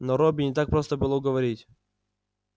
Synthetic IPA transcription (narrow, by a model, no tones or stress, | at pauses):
nɔɾobʲɪnʲɪt̪ak̚pɾost̪əbɨlˠoɡəvɐɾʲitʲ